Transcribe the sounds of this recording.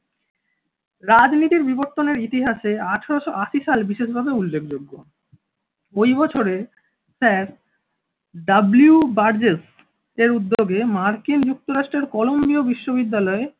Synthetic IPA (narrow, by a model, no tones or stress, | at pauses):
ɾad͡ʑnit̪iɾbiboɾt̪oneɾit̪iɦaʃeaʈʰɾoʃaʃiʃalbiʃeʃbʱabeulːekd͡ʑoɡːo | ojbɔt͡ɕʰoɾe | sɛɾ | ɖabliubaɾd͡ʑes | eɾud̪ːoɡemaɾkind͡ʑuk̚t̪oɾaʃʈɾeɾkɔlombiobiʃːobid̪ːalɔe